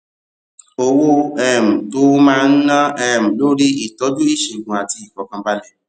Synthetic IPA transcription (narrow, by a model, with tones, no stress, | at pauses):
o˧wo˦ɛ˦˨m̩˨to˦mãː˦˧n̩˦nã˦ɛ˦˨m̩˨lo˦ɾi˦i˦˨tɔ˨˦d͡ʒu˦i˦˨ʃi˨ɡũ˨a˨ti˧i˨kɔ˨˦kã˧ba˦lɛ˦˨